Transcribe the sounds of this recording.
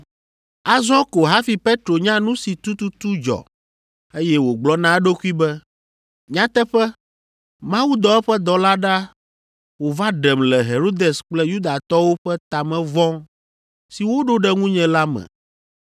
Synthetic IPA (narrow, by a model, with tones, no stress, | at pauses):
a˦zɔ̃˦ko˨ɦa˦fi˨pe˦t̪ɾo˨ɲã˦nũ˦si˨t̪u˦t̪u˦t̪u˦d͡ʒɔ̰˨ | e˦jɛ˦wo˨ɡ͡blɔ˦nã˦ɛ˦ɖo˦ku˦i˦bɛ˦ | ɲĩ˦ã˦t̪ɛ˦ɸɛ˦ | mã˦wu˦d̪ɔ˨ɛ˦ɸɛ˦d̪ɔ˨la˦ɖa˦ | wo˨va˦ɖɛ˨mlɛ˨ɦe˨ɾo˦d̪e˨sk͡plɛ˦ju˦d̪a˨t̪ɔ˦wo˦ɸɛ˦t̪a˨mɛ̃˨vɔ̃˦ | si˨wo˦ɖo˦ɖɛ˦ŋũ˦ɲɛ̃˨la˦mɛ̰̃˨